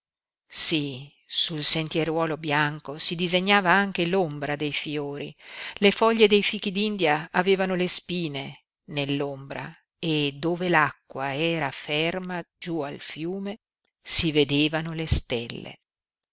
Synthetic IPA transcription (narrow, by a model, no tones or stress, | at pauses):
si | sulsent̪jeɾwɔːlobjaŋkosid̪izeɲːaːvaaŋk̟elombɾad̪ejfjoːɾilefɔʎːed̪ejfiːk̟id̪ind̪jaːveːvanolespiːne | nelːombɾa̰ | ed̪ːoːvelakːwaɛːɾafermad͡ʒualfjuːme | sived̪eːvanolest̪elːḛ